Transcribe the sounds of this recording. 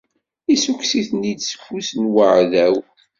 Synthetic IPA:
isukʷsiθnid̪sə̥fːusnwəʕðæw

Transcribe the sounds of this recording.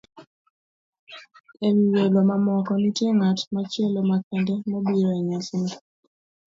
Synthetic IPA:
eliwelomamɔkɔnitjeŋatmat͡ʃelomakɛndemobiɾeɲasni

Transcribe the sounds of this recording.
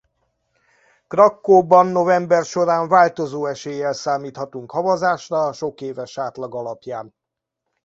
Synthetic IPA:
krɒkːoːbɒnːo̞vɛmbɛrʃo̞ɾaːɱvaːlt̪o̞zoːɛʃeːjːɛlsaːmiːt̪hɒt̪uŋkhɒvɒzaːʃrɒʃo̞keːvɛʃaːt̪lɒɡɒlɒpjaːn

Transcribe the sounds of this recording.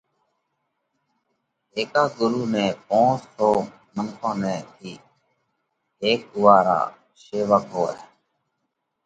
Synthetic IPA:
ɦeːkaːɡʊɾuːnɛ̃ːpõːnstʰoː | mənkʰõːnɛ̃ːt̪ʰiː | ɦeːk̚ʊʋaːɾa̰ː | seːʋaːkɦoːɛ̰ː

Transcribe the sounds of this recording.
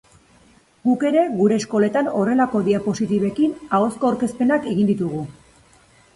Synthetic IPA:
ɡuke̞ɾe̞ɣuɾe̞ːsko̞le̞t̪ano̞re̞lako̞ðiapo̞sit̪iβe̞kinao̞sko̞awɾke̞spe̞nakeɣind̪it̪uɣ̞u

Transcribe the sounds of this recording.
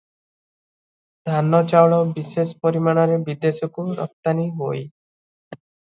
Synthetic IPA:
d̪ʱanɔt͡ʃaɔɭɔbisesɔpɔɾimaɽ̃ɔɾebid̪esɔkuɾɔ̰k̚t̪aniɦoj

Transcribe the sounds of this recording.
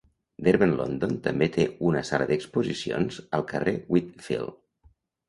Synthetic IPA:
d̪eɾβənlo̰nd̪ont̪əmbet̪ʰeunəsaləðəkspuzisio̰nzəlˠkərewit̪fḭlˠ

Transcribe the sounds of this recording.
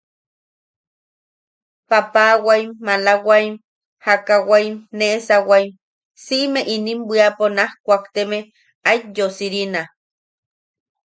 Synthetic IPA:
papawajmːalawajm | hakawajmnesawajm | siʔmeʔinimbʷiaponahkʷakt̪eme | ajjosiɾina

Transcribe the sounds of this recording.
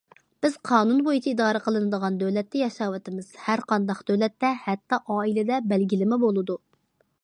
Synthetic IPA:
b̥ɪz̥qʰɑːnunbojit͡ʃʰiid̪ɑːɾəqəlˠɨnɨd̪əʁɑnd̪øwlɛt̪ːɛjɑʃɑːwɨt̪ɪmɨz̥hæɾqʰɑnd̪ɑχd̪̥ølɛt̪ːɛhɛt̪ːɑʔɑːilɪd̪ɛbɛlɡʲilɪmɪbolˠɨd̪u

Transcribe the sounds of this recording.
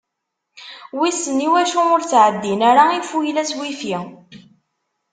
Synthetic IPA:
wisːənːiwæʃuʊɾt͡sːʕəd̪ːinæɾaifujlæswifi

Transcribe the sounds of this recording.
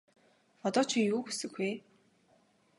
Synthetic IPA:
ɔt̪ɔːt͡ɕʰiŋjuːxusɘ̆ɡi

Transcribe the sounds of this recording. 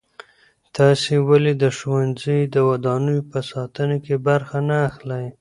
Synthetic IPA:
t̪ɑsewaled̪əʃwanzid̪əwad̪ɑnujopəsɑt̪ənokebaɾxanaːxlaj

